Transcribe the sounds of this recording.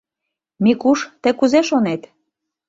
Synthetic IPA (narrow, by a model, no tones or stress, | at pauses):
mikuʃt̪ə̆kuzeʃonet̪